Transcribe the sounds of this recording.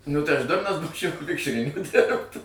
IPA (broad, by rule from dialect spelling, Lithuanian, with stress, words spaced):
nʊ tɐɪ ɐʃ ˈdʊrnɐs ˈbuːt͡ʃʲɛʊ ˈʋʲɪkʃʲrʲɪnʲɪŋkʊ ˈdʲɪrpt